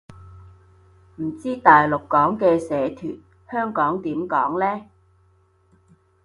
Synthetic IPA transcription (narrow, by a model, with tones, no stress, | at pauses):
m̩˨˩t͡siː˥t̪aː˨jlʊ˨kːɔː˨˥ŋkɛː˧sɛː˨˥t̪ʰy̰ː˨˩n̚ | hœː˥ŋkɔː˨˥ŋt̪iː˨˥mkɔː˨˥ŋlɛː˥